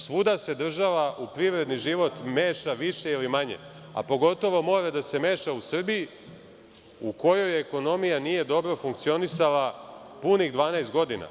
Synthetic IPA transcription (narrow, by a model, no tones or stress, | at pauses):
sʋud̪ase̞d̪r̩ʒaʋaʔupɾiʋɾe̞d̪niʒiʋo̞t̪meːʃaʋiʃe̞ilimaɲe̞̰ | a̰po̞ɡo̞t̪o̞ʋo̞mo̞ːɾad̪ase̞me̞ːʃausr̩bii | uko̞jo̞jeːko̞no̞mijanije̞d̪o̞bɾo̞fuŋk̚t̪sio̞nisalapuniɣd̪ʋaːnaest̪ɡo̞d̪ina̰